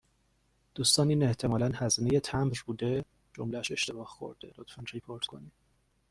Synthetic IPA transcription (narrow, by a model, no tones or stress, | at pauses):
d̪̥uːst̪ɒːniːne̞ht̪ʰe̞mɒːlænhæzine̞je̞t̪ʰæmbɾbuːd̪e̞ | d͡ʒo̰mlææʃe̞ʃt̪e̞bɒːhxo̰ɾd̪̥elot̪fænɾipʰoɾt̪kʰo̞̰ni̥